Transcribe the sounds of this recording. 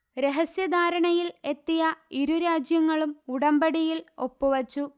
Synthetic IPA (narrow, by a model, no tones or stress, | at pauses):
ɾe̞ɦɐsjɐd̪ʱaːɾɐɳɐjile̞t̪ːijɐiɾuɾaːd͡ʑjɐŋːɐɭumuɽɐmbɐɽijilo̞pːuʋɐt͡ɕːu